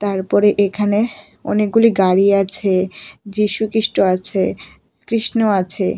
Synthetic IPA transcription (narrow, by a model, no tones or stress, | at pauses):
t̪aɾpɔɾeʔekʰane | ɔ̰nek̚ɡuliɡaɾiat͡ɕʰed͡ʑiʃukiʃʈoat͡ɕʰe | kɾiʃnoat͡ɕʰe